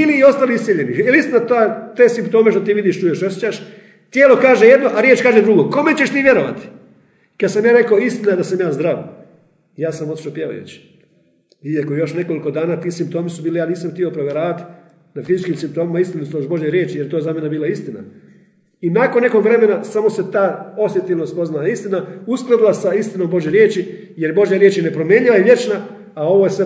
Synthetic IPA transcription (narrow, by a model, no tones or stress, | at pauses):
iliːo̞st̪aliissʲjiʎeniilist̪inat̪ot̪eːsimpt̪o̞ːme̞ʃt̪o̞t̪iːʋid̪iʃt͡ʃujeʃosjet͡ɕaʃ | t̪jeːlˠo̞kaːʒejed̪no̞ʔaɾjet͡ʃkaːʒed̪ɾuɡo̞ko̞met͡ɕe̞ʃt̪iːʋʲje̞ɾo̞ʋa̰t̪i̥ | kad̪samjaːɾe̞kaoist̪inajed̪asamjaːzd̪ɾaʋ | jaːsamot̪i̥ʃapjeʋa̰jṵt͡ɕi̥ | iakojo̞ʃne̞ko̞likod̪aːnaːt̪iːsimp̚t̪o̞ːmisubiːlijaːniːsamxt̪io̞pɾoʋje̞ɾaːʋat̪i̥ | nafizit͡ʃkimsimpt̪o̞ːmimaist̪inusoʒbo̞ʒjeɾjeːt͡ʃijeɾt̪o̞ːezamje̞nebiːlˠaist̪ina̰ | inakonːe̞ko̞ɡʋɾe̞me̞nasamo̞se̞t̪aːo̞sje̞t̪ilnost̪po̞znalaist̪inausklˠad̪ulˠasaist̪ino̞ːmbo̞ʒjeɾjeːt͡ɕi | jeɾbo̞ʒjaɾjeːt͡ʃjene̞pɾo̞mje̞ːɲilaiʋje̞t͡ʃna | ao̞ʋo̞jesʋe